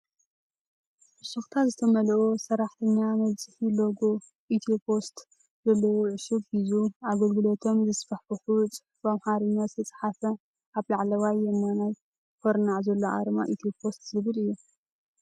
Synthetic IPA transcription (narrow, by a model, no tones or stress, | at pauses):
ʔɨsuxt̪ʰazɨt̪ʰɐmɐlʔosɐɾaħt̪ʰɐɲːamɐβt͡sʼɨħilo̞ɡo̞ | ʔit̪ʰiopʰo̞st̪ | zɐlːɐwoʕɨʃɨɡhizuaɡɐlɡɨlo̞t̪ʰo̞mzɨsfɐħħɨxut͡sʼɨ̥ħbamħaɾɨɲːast̪ʰɨt͡sʼħafɐ | ʔaβlaʕlɐwajːɛnːanaj | kʰoɾnaʕzɐlːoʔa̰ɾma̰ʔit̪ʰopʰo̞st̪zɨβɨlɨjːu